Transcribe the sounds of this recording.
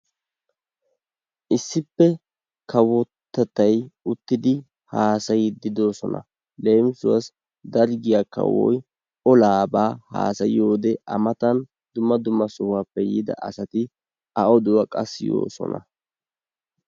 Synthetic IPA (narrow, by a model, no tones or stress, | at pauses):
ʔɪsːɪpːɛ | kʰɐwɔt̪ːɐt̪ːɐjʊt̪ːɪd̪ɪ | haːsɐjɪd̪ɪd̪o̞ːsɔnɐ̰ | le̞ːmsʊwɐs | d̪ɐɾɡɪjakːɐ̰wɔ̰j | ɔlaːbaːha̰ːsɐjɪjo̞ːd̪ɛɐmɐt̪ɐn | d̪ʊmːɐd̪ʊmːɐsʊhapːɛjɪd̪ɐ̰ʔɐsɐt̪ɪ | ɐʔɔd̪ʊwɐkʼɐsjo̞̰ːsɔ̰nɐ̰